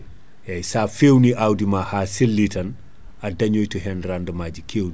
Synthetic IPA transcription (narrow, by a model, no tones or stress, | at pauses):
jajsaːfewniʔawdimahaːsilːitɐn | adɐɲojtəɦɛnɾandəmaːd͡ʒikʰeːw